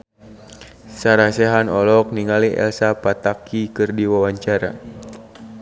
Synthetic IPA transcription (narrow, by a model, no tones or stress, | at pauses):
saɾasɛɦanɔlɔk̚niŋaliɛ̰lsapat̪akikɨrdiwawaɲt͡ʃaɾa̰